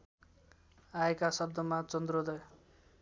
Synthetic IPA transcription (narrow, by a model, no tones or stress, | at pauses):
aekasʌb̚d̪ʱʌmat͡sʌnd̪rod̪ʌj